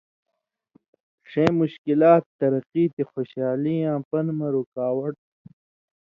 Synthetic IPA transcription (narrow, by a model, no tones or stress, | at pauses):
ʂẽːmuɕkilaːt̪ːɐɾɐqiːt̪ixoɕaːliãːpɐnmɐɾukaːwɐʈ̚